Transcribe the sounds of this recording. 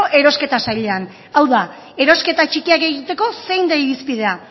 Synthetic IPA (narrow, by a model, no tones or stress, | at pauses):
ʔe̞ɾo̞ske̞t̪asajʎe̞an | awða | e̞ɾo̞ske̞t̪at͡ʃikiake̞ɣit̪e̞ko̞se̞jnd̪aiɾispiðe̞a